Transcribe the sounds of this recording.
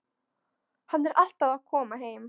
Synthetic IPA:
hanːɛɾʔal̥t̪aðaðkʰɔːmaɦeːjm

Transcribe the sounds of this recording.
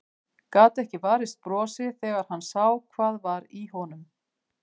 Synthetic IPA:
kaːt̪ɛhcɪvaːɾɪst̪̚pɾɔːsɪθɛːɣaɾ̥hanːsawkʰv̥aːðvaɾiɦɔnʏm

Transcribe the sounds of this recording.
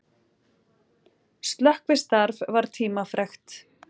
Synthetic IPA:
st̪lœhkvɪst̪aɾvvaɾ̥t̪ʰiːmafɾɛxt̪

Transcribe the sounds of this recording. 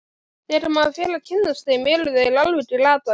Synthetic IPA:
θɛɾɪmaðafjɛːlacʰɪnːast̪ejmɛːlʏðaɪlalvʏt̪ɾɪlaːt̪a

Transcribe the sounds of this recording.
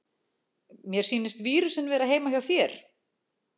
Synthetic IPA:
mjɛɾ̥siːnɪst̪viːɾʏsɛnvɛːɾaɦeːjmaçjawθjɛɾ̥

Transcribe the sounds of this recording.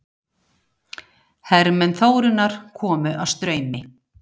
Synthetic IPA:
hɛɾmɛnθoːwɾʏnːaɾ̥kʰɔːmʏʔawst̪ɾœːɥmɪ

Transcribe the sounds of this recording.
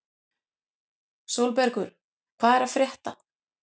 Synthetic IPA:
sowlpɛɾkʏɾ̥ | kʰvaːðɛɾafɾjɛht̪a̰

